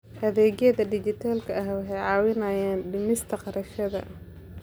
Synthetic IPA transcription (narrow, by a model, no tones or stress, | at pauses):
hɐðɛːɣjɐðɐɖɪt͡ʃɪt̪ʰaːlkʰɐɐɦwɑħɛjʕɑːwɪnɐjaːnɖɪmɪst̪ʰɐqɑɾɐʃɐðɐ̰